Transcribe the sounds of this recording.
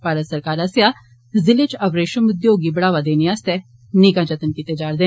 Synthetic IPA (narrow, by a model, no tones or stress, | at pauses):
paːɾət̪səɾkaːɾəsjaː | zɪlet͡ʃəbɾeːʃəmʊd̪joːɡibəɽaːʋad̪eːniaːst̪ɛː | nikãːd͡ʒət̪ənkit̪eːd͡ʒaːɾd̪eː